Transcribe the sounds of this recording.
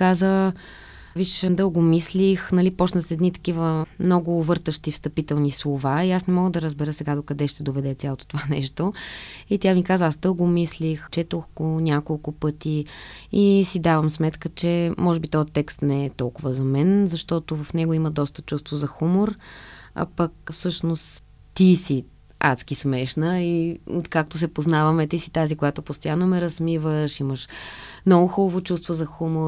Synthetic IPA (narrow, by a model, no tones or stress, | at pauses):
kazə | viʃmd̪ɤlˠɡomislixnɐlipɔt͡ʃnəsɛd̪nit̪ə̥k̟ivəmnɔɡʊvɤɾt̪əʃt̪ifst̪ɐpit̪ɛlˠnislˠovaiasnɛmɔɡəd̪ɐɾəzbɛɾɤsɛɡad̪okɐd̪ɛʃt̪ɛd̪ovɛd̪ɛsʲalˠot̪o̥t̪ovanɛʃt̪oit̪ʲjamikazəasd̪ɤlˠɡʊmislixt͡ʃɛt̪oxɡonʲakolˠkʊpɤt̪iisid̪avəmsmɛt̪kət͡ʃɛmɔʒɛbit̪ɔjət̪ːɛkst̪nɛɛt̪ɔlˠkʊvəzɐmɛnzɐʃt̪ɔt̪ʊvɐfnɛɡoiməd̪ɔst̪ə̥t͡ʃust̪vozɐxumoɾɐ̰pɐkfsɤʃnost̪ | t̪isi | a̰t̪skismɛʃnəiot̪kak̚t̪ʊs̬ɛpoznavəmɛt̪isi̥t̪azikojat̪opost̪ojanːomɛɾɐsmivəʃiməʃmnɔɡʊxubəvot͡ʃust̪vozɐxumo